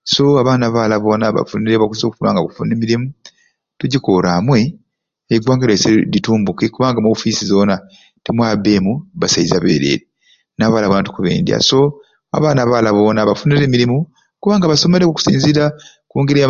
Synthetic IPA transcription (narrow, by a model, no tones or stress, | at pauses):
so̞aβaːnaβalaβo̞ːnaβa̰funiɾeβakuzo̞ːkufuna̰ːŋɡakufṵneːmiɾimu | tuɟikoɾamwe̞ː | ɡwaːŋɡaɾesedituːmbukikuβaːŋɡamoːfisizo̞ːna | temwaːbe̞ːmuβasaizaβe̞̰ːɾḛːɾe | naːβaːlaβonatu̥kuβḛːndja̰so̞ | a̰βaːnaβalaβo̞ːnaβafuniɾeːmiɾimu | kuβaːŋɡaβaso̞meɾekuku̥sḭːnziɾa | kuːŋɡiɾe